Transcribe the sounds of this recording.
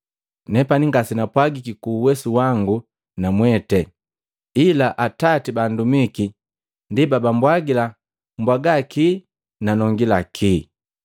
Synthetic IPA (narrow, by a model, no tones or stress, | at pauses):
nɛpaniŋɡasinapwaɡikikuːwɛsuwaŋɡu | namwɛtɛ | ilaʔatatibandumiki | ndibabambwaɡila | mbwaɡaki | nanɔŋɡilakʰiː